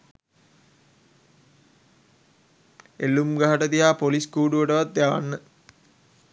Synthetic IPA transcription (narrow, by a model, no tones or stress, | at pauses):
elːumɡaɦaʈət̪iɦaːpoliskuːɖuʋəʈəʋat̪̚d̪jaʋa̰nːə